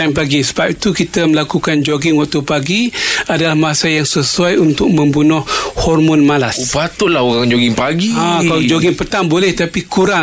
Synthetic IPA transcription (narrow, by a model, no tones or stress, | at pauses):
anpaɡisəbap̚it̪ukit̪əməlakukand͡ʒoɡɪŋwak̚t̪upaɡiadalahmasajaŋsəsuajunt̪ʊk̚mə̃mbunʊhhɔrmɔnmalaspat̪ʊʔlahuɣaŋd͡ʒoɡiŋpaɡiakalad͡ʒoɡɪŋpət̪aŋbolɛht̪apikuɾa